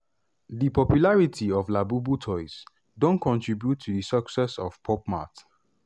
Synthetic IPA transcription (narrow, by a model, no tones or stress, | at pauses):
dipɔpjulaɹitʰiɔvlabubutʰɔɪs | dõnkɔ̃ntɹibjutʰːudisəksɛsɔv̥pʰɔpma̰t